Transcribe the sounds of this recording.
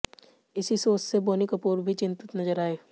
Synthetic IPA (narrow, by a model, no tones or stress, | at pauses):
ɪsisoːt͡ʃseboːnɪkɐpuːɾbʱit͡ʃɪ̃nt̪ɪt̪nɐzəɾaːeː